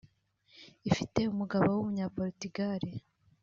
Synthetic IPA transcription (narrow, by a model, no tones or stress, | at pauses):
ifite̞umuɡaβowumuɲaːpoɾitiɡaɾi